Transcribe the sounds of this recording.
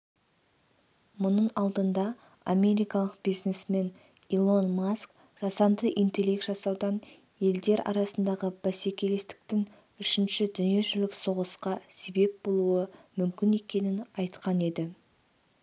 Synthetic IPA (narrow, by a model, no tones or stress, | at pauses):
mʊnəɴɑlˠd̪ənd̪ɑ | ame̞ɾijkɑlˠəq̚b̥ijznesme̞n | ilˠo̞nmask | ʒ̥ɑsɑnd̪əʔijnt̪e̞le̞kt̪ʒɑsɑwd̪ɑn | je̞ld̪e̞ɾɑ̰ɾɑsənd̪ɑʁəb̥æsekʲe̞le̞st̪ɪ̥k̚t̪ɪŋ | ʏʃɪnʃɪd̪ʏnije̞ʒʏlɪkso̞ʁəsqɑse̞be̞p̚bo̞lˠuəmʏmkʲɪne̞kʲe̞nɪnɑjt̪qɑne̞d̪ɪ